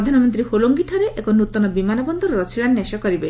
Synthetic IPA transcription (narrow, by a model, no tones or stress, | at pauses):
d̪ʱanɔmɔnt̪ɾiholoŋɡiʈʰɔɾeʔekɔnut̪ɔnɔbimanɔbɔnd̪ɔɾɔɾɔsiɭanneʃɔkɔɾibe